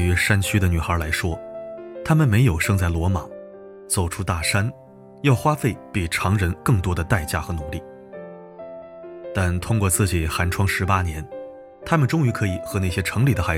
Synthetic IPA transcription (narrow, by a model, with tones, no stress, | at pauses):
y˧˥ʂa˥nt͡ɕʰy˥d̪ə˨ny˨˩xə˧˥la˧˥ɪʂwɔ˥t̪ʰa˥mə˨nme˧˥ɪjo˨˩ʊʂɤ˥˧ŋt͡sa˥˩ɪlwɔ˧˥ma˨˩˦ | t͡so˨˩ʊʈ͡ʂʰu˥t̪a˥˩ʂa˥n | jɑ˥˩ʊxwa˥fe˥˩ɪpi˨˩ʈ͡ʂʰɑ˧˥ŋɻə˧˥nkɤ˥˩ŋt̪wɔ˥d̪ə˧t̪a˥˧ɪt͡ɕja˥˩xɤ˧˥nu˨˧˩li˥˩ | t̪a˥˩nt̪ʰʊ˥ŋkwɔ˥˧t͡sɹ̩˥˩t͡ɕi˨˩xa˧˥nʈ͡ʂʰwɑ˥ŋʂɻ̩˧˥pa˥njɛ˧˥n | t̪ʰa˥mə˨nʈ͡ʂʊ˥ŋy˧˥kʰɤ˧˥i˨˩xɤ˧˥na˥˩ɕjɛ˥ʈ͡ʂʰɤ˧˥ŋli˨˩d̪ə˦xa˨˧˥